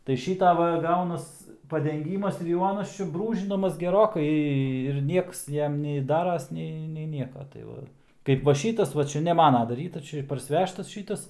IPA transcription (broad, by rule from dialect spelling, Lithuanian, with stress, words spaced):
tɐɪ ˈʃʲiːtɐ ˈʋɐ ˈɡɐʊnɐs pɐdʲɛŋʲˈɡʲiːmɐs ɪr jɛʊ ˈɑːnɐs ˈt͡ʃʲɛ ˈbruːʒʲɪnɐmɐs ɡʲɛˈroːkɐɪ ɪr ˈnʲiɛks ˈjɛm nʲɛɪ ˈdɑːrɐs ˈnʲɛɪ nʲɛɪ ˈnʲiɛkɐ tɐɪ ˈʋɐ ˈkɐɪp ʋɐ ˈʃʲiːtɐs ʋɐ ˈt͡ʃʲɛ nʲɛ ˈmɑːnɐ dɐˈrʲiːtɐs ˈt͡ʃʲɛ ɪr pɐrʲsʲɪˈʋʲæːʃtɐs